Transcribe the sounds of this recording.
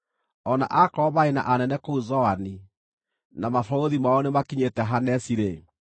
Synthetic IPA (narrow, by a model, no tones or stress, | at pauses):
ɔna̰ʔakɔβaena̰ʔanɛnɛkouzɔani | namafɔoðimaɔnemakiɲetɛɦanɛsiɾe